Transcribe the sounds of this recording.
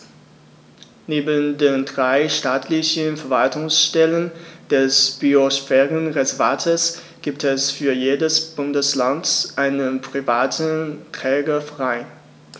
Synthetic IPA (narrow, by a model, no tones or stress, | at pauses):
neːbəndeːndʁaɪʃtaːtʰlɪçənfɛɐvaltʊŋsʃtɛlənd̥ɛsb̥iosfɛːʁənʁɛzɛɐvaːtʰəs | ɡ̥iːp̚tʰɛsfyːɐjeːdəsb̥ʊndəslantʔaɪnənpʁ̥ivaːtntʁ̥ɛːɡɐfʁ̥aɪ